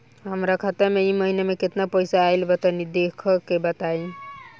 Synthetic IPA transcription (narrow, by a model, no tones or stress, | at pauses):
ɦəmɾəkʰət̪əmeiməɦinemeket̪napəjsaːjlbət̪ənid̪ekʰəkebət̪ai